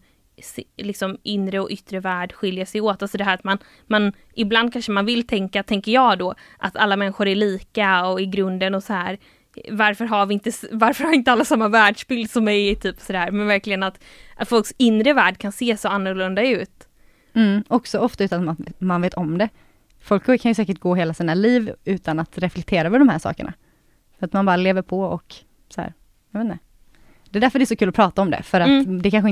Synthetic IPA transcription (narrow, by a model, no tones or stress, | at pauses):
slɪksɔmʔɪnɾəɔʔʏt̪ːɾəvæːɖɧɪljəʂɛjoːt̪alsɔd̪ɛɦæːɾat̪man | man | ʔɪbland̪̚kʰanʂəmanvɪlt̪ʰɛŋkat̪ʰɛŋkəɾjɑːd̪ɔːʔa̰t̪ʰalːamɛnːɪɧʊɾæɭiːkaɔɪɡɾɵnd̪ənɔsɔhæːɾ | vaɾfœɾɦaɾvɪɪnt̪əvaɾfœɾhavɪɪnt̪əalːasamːavæːɖʂbɪld̪sɔmːɛjt̪ʰyːpsɔd̪æːɾmɛnvæɾklɪɡənat̪ | ʔat̪fɔlksɪnɾəvæːɖkʰanseːsoːanːʊɾlɵnd̪aʉ̟ːt̪ | m̩ʔɔksɔɔft̪aʉ̟ːt̪anmat̪manveːt̪ɔmd̪ɛ | fɔlkʰːkʰːanjʏsɛːkəʈ̚ɡoːɦeːlasiːnaliːvʉ̟ːt̪anat̪ɾɛflɛk̚t̪ʰeːɾavɛd̪ɔmhæːʂɑ̰ːkə̰ɳʔa̰ | fœɾat̪manbɑːɾaleːvəɾpʰɔɔk | sɔhæ̰ːɾ | jɑveːt̪nə | d̪̥ɛd̪æɾfœɾɖɛsɔkʰʉːlɔpʰɾɑːt̪aɔmd̪ɛ̰fœɾat̪d̪ɛkʰanɧɪ